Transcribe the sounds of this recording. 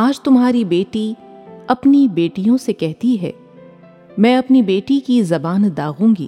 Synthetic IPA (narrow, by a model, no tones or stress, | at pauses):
aːd͡ʒt̪ʊmɦaːɾibeːʈi | ɐpnibeːʈijõsekɛɦt̪iɦɛ̰ː | mɛ̃ːɐpnibeːʈikizɐbaːnd̪aːɣũːŋɡḭː